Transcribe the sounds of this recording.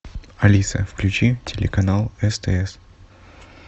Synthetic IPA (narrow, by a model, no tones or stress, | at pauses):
ɐlʲisə̰fklʲʉt͡ɕitʲɪlʲɪ̰kɐnalˠɛst̪ɛ̰ɛs